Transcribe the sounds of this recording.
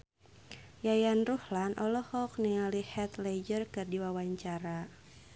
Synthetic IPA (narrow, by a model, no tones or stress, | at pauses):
jajanruhlanʔɔlɔhɔk̚niŋalihɛt̪lɛd͡ʒərkɨrdiwawaɲt͡ʃaɾa